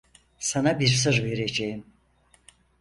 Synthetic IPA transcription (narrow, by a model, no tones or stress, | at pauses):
sanabiɾs̬ɯɾve̞ɾed͡ʒejim